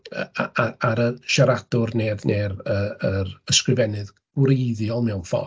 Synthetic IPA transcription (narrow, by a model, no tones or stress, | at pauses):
ə̰aaaɾəʃaɾad̥ʊrneːðnʔeːɾəəɾəskrɨvɛnɨð | ɡ̥wɾejðjɔlˠmɛwfɔ̰